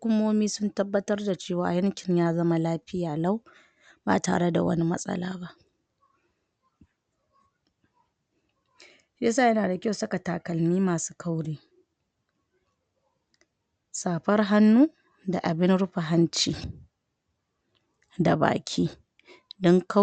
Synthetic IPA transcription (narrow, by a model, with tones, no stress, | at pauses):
hʊ˦kʷʊ˦moː˦miː˦sʊ˦ntɐ˦bːɐ˦tɐ˦rda˨t͡ʃeː˦˨waː˨jɐ˦ŋkʲɪ˨ɲjaː˦zɐ˦ma˦laː˦ɸɪ˦jaː˨la˦w | ba̰ː˨ta̰ː˨ɽe˦da̰˨wɐ̰˦ni˦mɐ̰˦sʼɐ̰˦la̰ː˦ba˦ʔ | a˦saː˦˨jɐ˦naː˨da˨kʲa˦wsɐ˦ka˨taː˨kɐ˨lmiː˦maː˨su̥ː˦kʰa˦wɽiː˦ | saː˨ɸɐ˦rɦa˦nːuː˦ | da˨ʔa˨bɪ˦nɽʊ˦ɸa˨ɦa˦nt͡ʃiː˨ | da˨ba̰ː˨kʲʰiː˦ | dɔ˦ŋka˦